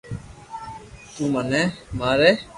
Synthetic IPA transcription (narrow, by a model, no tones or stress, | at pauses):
t̪uːmənɛːmaːɾeː